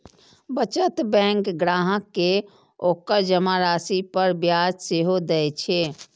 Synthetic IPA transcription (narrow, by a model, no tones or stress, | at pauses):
bət͡ʃət̪bɛ̃ŋkɡɾaɦəkːe | okəɾd͡ʒəmaɾaːsipəɾbjad͡ʒseɦod̪ɛɛt͡ʃʰe